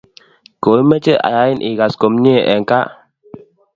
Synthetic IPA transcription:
ko˨˦mɛ˦t͡ʃe˦ʔa̰˨ja˨˦i˦nʔi˨ɡa˨sko˨mɲi˦e˨ʔɛ˨ŋka˦ʔ

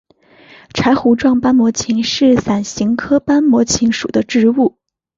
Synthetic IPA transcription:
ʈ͡ʂʰa˧˥ɪxu˧˥ʈ͡ʂwɑ˥˩ŋpa˥nmwɔ˧˥t͡ɕʰi˧˥ŋʂɻ̩˥˩sa˨˩nɕi˧˥ŋkʰɤ˥pa˥nmwɔ˧˥t͡ɕʰi˧˥ŋʂṵ˨˩d̪ə˦ʈ͡ʂɻ̩˥˧u˥˩

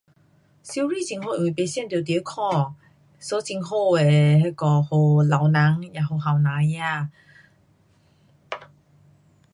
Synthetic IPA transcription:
si˧wɾi˥˨t͡ɕi˧ŋɦo˥˧˨ĩ˨ŋwe˨˩pe˨˧˦sjɛ˥˨nt̪jt̪i˧˦kʰɔ˥˨ | so˧˦t͡si˧ŋɦo˥˧e˨he˧˩kɔ˧ho˨˧˩la˨wnã˨˦ŋja˨˩ɦo˨˩ɦa˨˩˨wnã˨˧˦ŋja˥˧˨

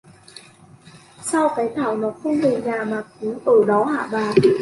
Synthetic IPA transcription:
sa˧˩wka˨˦jt̪ʰaː˨˩wnɔː˨˦˥kʰo˧˥˨ŋhəː˧˩ɲaː˧maː˧k̚uː˨˦ʔɤː˨˩dɔ˨˦wɦa̰ː˧˩baː˧˩n

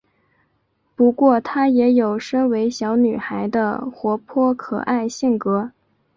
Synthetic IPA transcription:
pu˧˥kwɔ˥˩t̪ʰa˥jɛ˧˥jo˨˩ʊʂə˥ŋwe˧˥ɪɕjɑ˧˥ʊny˨˩xa˧˥ɪd̪ə̰˧xwɔ˧˥pʰwɔ˥kʰɤ̰˨˩ʔa˥˧ɪɕi˥˩ŋkɤ˧˥

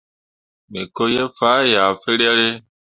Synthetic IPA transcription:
me˨ko˦je˦faː˦ja˨fe˦ɾa˦ɾe˦

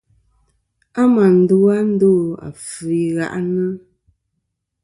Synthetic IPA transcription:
a˦ma˨n̩˨du˦a˦n̩˦do˦˨a̰˨fʉ˨i˨ɣa̰˨ʔnə˦

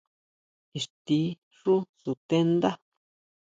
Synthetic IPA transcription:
i˨ʂt̪i˧˦ | ʂu˦su˨t̪e˦nd̪a˦

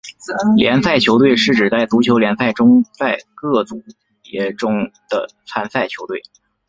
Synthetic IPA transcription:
ljɛ̰˧˥nsa˥˩ɪt͡ɕʰjo˧˥ʊt̪we˥˧ɪʂɻ̩˥˩ʈ͡ʂɻ̩˨˩t͡sa˥˩ɪt͡su˧˥t͡ɕʰjo˧˥ʊljɛ˧˥nsa˥˩ɪʈ͡ʂʊ˥ŋt͡sa˥˧ɪkɤ˥˩t͡su˧˥ | jɛ˧˥ʈ͡ʂʊ˥ŋd̪̥ə̰˧˩t͡sʰa˥nsa˥˩ɪt͡ɕʰjo˧˥ʊt̪we˥˩ɪ

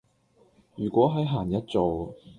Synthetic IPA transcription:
jyː˨˩kʷɔː˨˥ɦɐ˨˥jɦaː˨˩njɐ˥t̚t͡so˨w

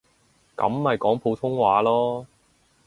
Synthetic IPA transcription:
kɐ̰˨˧˥mːɐ˨jkɔː˨˥ŋpʰo˨˧wt̪ʰʊ˥ŋwaː˨˥lɔː˥

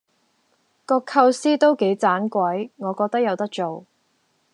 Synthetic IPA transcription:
kɔː˧kʰɐ˧wsiː˥t̪o˥wke˨˥jt͡saː˨˥nkʷwɐ˨˥jŋɔː˨˧kɔː˧k̚t̪ɐ˥k̚jɐ˨˧wt̪ɐ˥k̚t͡ʃo˨w

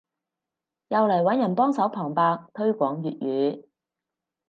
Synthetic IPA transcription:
jɐ˨wlɐ˨˩jwɐ˨˥njɐ˨˩npɔː˥ŋsɐ˨˥wpʰɔː˨˩ŋpaː˧k̚t̪ʰɵ˥ɥkʷɔː˨˥ŋjyː˨t̚jyː˨˧˥

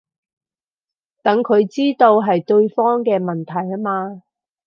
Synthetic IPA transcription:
t̪ɐ˨˥ŋkʰɵ˨˧ɥt͡siː˥t̪o˧wɦɐ˨jt̪ɵ˧ɥfɔː˥ŋkɛː˧mɐ˨˩nt̪ʰɐ˨˩ja˥maː˧

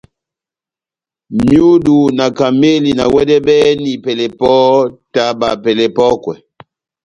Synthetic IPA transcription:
mju˦du˨na˨ka˨me˦li˨na˨wɛ˦dɛ˦bɛ˦ni˨pɛ˨lɛ˨pɔ˦ta˦ba̰˨pɛ˨lɛ˨pɔ˦kwɛ˨

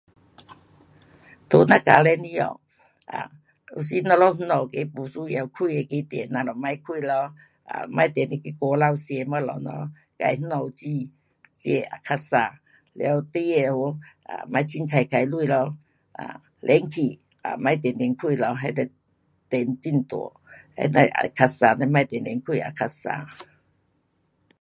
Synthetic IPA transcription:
t̪o˧˦nã˧ka̰˨˦lɛ˧˦nĩ˦ɔ̰˨ | a̰˨ | ṵ˧˦s̬i˦nɔ˧lɔ˦nu˦ɔ˨ke˧˦pu˨su˦˧ja˨˧˨wkʰu˧˨e˨ke˧˦t̪ɛ˨˦nːa˧lɔ˨mã˧˦jkʰu˧˨lɔ˧˦ | a̰˨mã˧˦jt̪ɛ˨ni˧ke˧˦kɔ˧la˧wse˧ma˧˦lɔ̰˨nɔ̰˧ | ka̰˧jnɨ˦ɔ˨˧t͡ɕi˧ | t͡ɕe˧a˨kʰa˧sa˧˨ | lɛ˧˦wt̪i˧˦e˧˨o˧˦ | a̰˨mã˧jt͡ɕʰi˧˦nt͡sʰa˧˩jka˧˨jlu˧˨lɔ˧˦ | ʔa̰˨ | lʔɛ˨˦ŋkʰi˨ | a̰˨mã˧˦jt̪̬ɛ˨ndɛ˨nkʰi˧˨lɔ˨˧˦ɦɛ˧˦d̪ɛ˧ | t̪ɛ˨nt͡ɕi˧˨nt̪ṵ˨˦ | hḛ˧˦na˧ʔa̰˨kʰa˧sa˧na˧˦ma˧jt̪ɛ˨nlɛ˨nkʰwu˧˨a̰˨kʰa˧sa̰˧˨

